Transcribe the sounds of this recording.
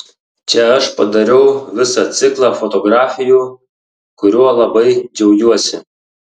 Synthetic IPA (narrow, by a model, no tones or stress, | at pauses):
t͡ʃʲɛɐʃpɐd̪ɐɾʲɛʊʋʲɪsɐt̪sʲɪklˠɑfɔt̪ɔɡɾɑːfʲɪjuː | kʊɾʲuɔlˠɐbɐɪd͡ʒʲɛʊɡʲuɔsʲɪ